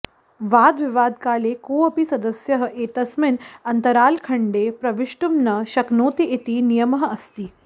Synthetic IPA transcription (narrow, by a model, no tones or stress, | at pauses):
ʋaːd̪ʋiʋaːd̪̚kaːleːkoːɐpisɐd̪ɐsjɐɦɐʔeːt̪ɐsminɐnt̪ɐɾaːlkʰɐɳɖeːpɾɐʋɪʂʈumnɐʃɐknoːt̪iʔit̪inijɐmɐɦɐst̪iː